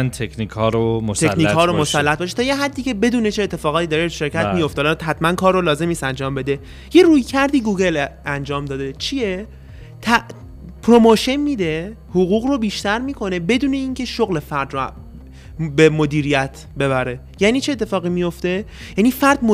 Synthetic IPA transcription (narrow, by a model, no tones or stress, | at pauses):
nt̪ʰekʰniːkʰɒːɾomost̪ʰekniːhɒːɾomosælːæt̪bɒːʃet̪ʰɒːjeɦæd̪ːiːce̞be̞d̪uːnet͡ʃʰe̞ːt̪ʰːe̞fɒːɣɒːt̪ʰid̪ɒːɾeʃe̞ɾkʰæt̪mijo̞ft̪ɒːlɒɦæt̪mænkʰɒːɾːolɒːze̞mnist̪ænd͡ʒɒːmbe̞d̪e̞ | je̞ruːjcʰæɾd̪iːɡuːɡe̞lænd͡ʒɒːmd̪ɒːd̪et͡ʃʰie | t̪ʰæ | pʰɾo̞moʃenmid̪e | hoɣuːɣro̞biːʃt̪æɾmiːkʰo̞ne̞be̞d̪uːne̞iːncʰe̞ʃoɣle̞fæɾd̪ɾo | bemod̪iːɾijæt̪ʰ | be̞βæɾe | jæːniːt͡ʃʰeːt̪ʰːe̞fɒːɣimijo̞ft̪e̞ | jæːniːfæɾd̪̥mo